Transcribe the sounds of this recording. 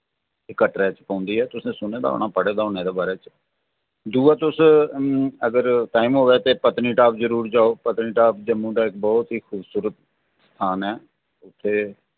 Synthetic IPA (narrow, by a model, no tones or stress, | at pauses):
ɪkːəʈɾɛːt͡ʃpãːnd̪iːɛːt̪ʊsẽːsʊneːd̪a̰ːo̰ɳaːpəɽeːd̪aːoneːd̪eːbaːɾeːt͡ʃ | d̪uːaːt̪ʊs | əɡəɾʈaːimɦoːʋeːt̪eːpət̪niːʈaːpzəɾuːɾd͡ʒaːoːpət̪niːʈaːpd͡ʒəmːũːd̪aːɪk̚bɔːt̪ɦiːxʰuːbsuːɾət̪ | st̪ʰaːnɛː | ʊt̪ʰːeː